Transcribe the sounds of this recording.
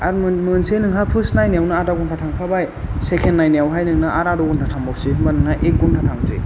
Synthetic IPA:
aɾmɯnsenɯŋɦapʰɯsnajniawnaːdaɡɔntʰatʰaŋkʰabajsekʰenːajniawɦajnɯŋnaʔaɾadɔɡɔntʰatʰaŋbawseɦɯmbanɯŋɦaʔek̚ɡɔntʰatʰaŋzḛ

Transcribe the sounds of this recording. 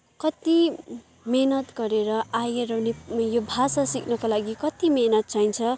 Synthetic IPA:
kʌt̪i | menʌt̪ɡʌɾeɾʌajeɾʌwnejobʱasasiknʌkolaɡikʌt̪imenʌt̪̚t͡sʰajnt͡sʰʌ

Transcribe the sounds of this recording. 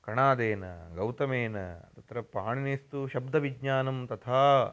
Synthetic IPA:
kɐɳaːd̪eːnɐ̰ɡɐwt̪ɐmeːnɐ̰t̪ɐt̪ɾɐpɾaːɳinist̪uʃɐb̚d̪ʱɐʋiɡɲaːnɐmt̪ɐt̪ʰaː

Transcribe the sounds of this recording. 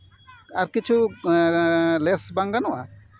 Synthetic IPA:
aɾkit͡ʃʰu | lɛsbaŋɡanɔʔa

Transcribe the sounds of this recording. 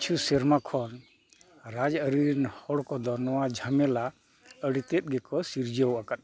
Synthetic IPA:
t͡ʃʰusɛɾmakʰɔn | ɾad͡ʒəɾiɾnhɔɽkɔd̪ɔnɔwad͡ʒʱamɛla | əɽit̪ɛt̪̚ˀɡɛkɔsiɾd͡ʒəwakat̪̚

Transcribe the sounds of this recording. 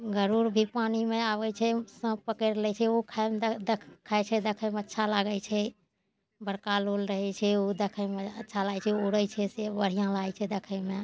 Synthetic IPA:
ɡəɾuɾbʱipanimeawɛt͡ʃʰɛsə̃pəkɛɾlɛt͡ʃʰɛokʰaemd̪ekʰkʰːajt͡ʃʰɛd̪ekʰəjmeətːʃʰalaɡət͡ʃʰɛ | bəɾkalolɾəɦɛt͡ʃʰɛod̪ekʰəmeətːʃʰalajt͡ʃʰɛoɾəjt͡ʃʰɛsebəɽ̤ijãlajt͡ʃʰɛd̪ekʰəjme

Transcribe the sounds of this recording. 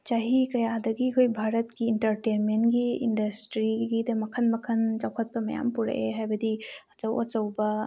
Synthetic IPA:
t͡ʃaɦikɐjadɐɡikʰojbʱaɾɐtkiːnʈɐɾʈenmenɡiindɐsʈɾiɡid̪ɐmɐkʰɐnmɐkʰɐnt͡ʃɐwkʰɐt̚pɐmɐja̰mpuɾɐ̰ʔeɦajbɐdiɐt͡ʃɐwɐ̰t͡ʃɐwbɐ

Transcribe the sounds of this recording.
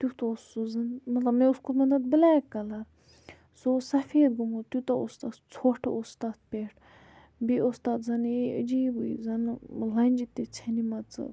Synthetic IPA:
t̪ut̪ɐsːozɐnmɐt̪lɐbmeuskumɐnd̪ɐt̪̚bəlaːkːɐlɐɾ | sosɐfeːd̪ɡumut̪ut̪ɐust̪aːt̪t͡sʰoːʈʰɐ̰ost̪aːt̪̚peːʈʰ | biost̪aːt̪zɐneʔəd͡ʒiːbuḭzɐnlɐnʲd͡ʒit̪ːet͡sʰɐnimɐt͡sɨ̰

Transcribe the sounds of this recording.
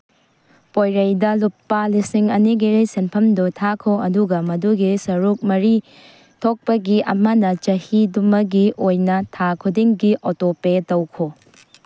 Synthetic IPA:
pojɾɐjdɐlupːalisiŋɐniɡiɾɐjsenpʰɐmdutʰakʰoɐduɡɐmɐduɡisɐɾuk̚mɐɾi | tʰok̚pɐɡiɐ̰mɐnɐt͡ʃɐhidumɐɡiʔojnɐtʰakʰudiŋɡiʔotopetɐwkʰo

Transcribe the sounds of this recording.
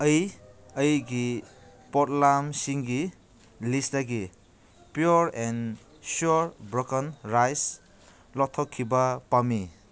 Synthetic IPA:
ʌjʌjɡi | pɔtlamsiŋɡi | lisdaɡi | pjuɾen | suɾbɾokənɾajs | lɔtʰːɔkʰːibɐpami

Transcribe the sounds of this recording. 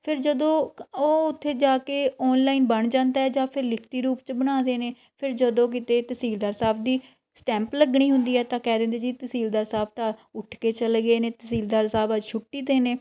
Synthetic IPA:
pʰɪɾd͡ʒəd̪õːoːʊt̪ʰːeːd͡ʒaːkeːɔːnlaːinbəɳd͡ʒãːnd̪aːɦɛːd͡ʒaːpʰɪɾlɪkʰt̪iːɾuːpt͡ʃbəɽ̃ãːd̪eːneː | pʰɪɾd͡ʒəd̪õːk̬ɪt̪eːt̪əsiːld̪aːɾsaːbd̪iː | sʈɛ̃ːmpləɡɳiːɦʊnd̪iːɛːt̪ãːkɛːd̪ẽːnd̪eːd͡ʒiːt̪əsiːld̪aːɾsaːb̚t̪ãːʊʈʰkeːt͡ʃəlɡeːneːt̪əsiːld̪aːɾsaːbəd͡ʒt͡ʃʰʊʈːiːd̪eːneː

